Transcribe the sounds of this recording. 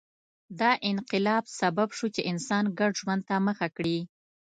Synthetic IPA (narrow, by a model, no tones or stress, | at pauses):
d̪ɑʔɪnqɪlɑbsababʃut͡ʃeʔɪnsɑnɡaɖʒwand̪̚t̪aməxakɽi